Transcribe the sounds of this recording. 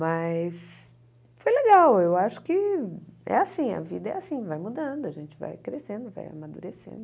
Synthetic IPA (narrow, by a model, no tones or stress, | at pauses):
mɐjs | fojleɡawewaʃʊ̥kɪ | ɛ̰asĩɐ̰vḭd̪ɐɛ̰asĩvajmud̪ɐ̃d̪ʊaʒẽnt͡ʃɪ̥va̰jkɾesẽnd̪ʊva̰ja̰mad̪ṵɾesḛ̃nd̪ʊʊ